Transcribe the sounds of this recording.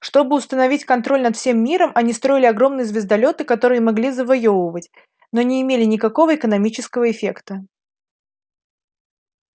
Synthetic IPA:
ʂt̪o̞bɨʊst̪ənɐvʲitʲkɐnt̪ɾolʲnɐt̪fsʲe̞mːʲiɾəmʔɐnʲist̪ɾo̞ɪlʲɪɐɡɾo̞mnɨjəzvʲɪzd̪ɐlʲo̞t̪ɨkɐt̪o̞ɾɨjəmɐɡlʲizəvɐjovəvətʲ | no̞nʲɪːmʲelʲɪnʲɪkɐko̞vəɪkənɐmʲit͡ɕɪskəvəɪfʲḛkt̪ə

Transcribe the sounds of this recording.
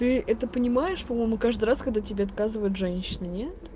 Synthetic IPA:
t̪ɨʔɛt̪əpənʲɪmajɪʂpɐmo̞jɪmʊkaʐd̪ɨjraskɐɡ̚d̪atʲɪbʲeɐt̪̚kazɨvəjʊt̪ʐɛnʲɕːɪnɨnʲe̞t̪

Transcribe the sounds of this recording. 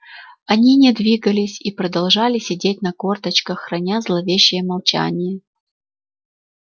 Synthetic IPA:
ɐnʲinʲɪd̪vʲiɡəlʲɪsʲipɾəd̪ɐlˠʐalʲɪsʲɪdʲetʲnɐko̞rt̪ət͡ɕkəxːrɐnʲazlˠɐvʲeɕːɪjəmɐlˠt͡ɕa̰nʲɪjə

